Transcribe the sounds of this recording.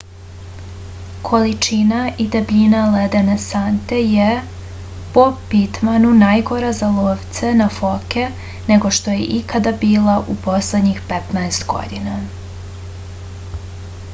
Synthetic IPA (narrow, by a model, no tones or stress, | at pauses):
kʰo̞lit͡ʃinaʔid̪ebʎinaled̪enesant̪e̞je | po̞pit̪manunajɡo̞ɾazalˠoːʋt̪se̞nafo̞ke | ne̞ɡo̞ʃt̪o̞jḛʔikad̪abiːlˠaʔupo̞sled̪ɲixpet̪naest̪ɡo̞̰d̪ina